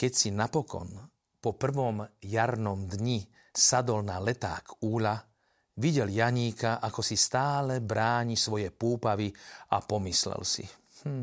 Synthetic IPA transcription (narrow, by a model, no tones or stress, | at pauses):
kɛcsinapɔkɔ̰n | pɔpr̩ʋɔmjaɾnɔmd̪ɲi | sad̪ɔlnalɛt̪a̰ːkʰuːʎa | ʋiɟɛljaɲiːkaʔakɔsist̪aːlɛbɾaːɲisʋɔjɛpuːpaʋiapɔmislɛ̰lsḭ | h̩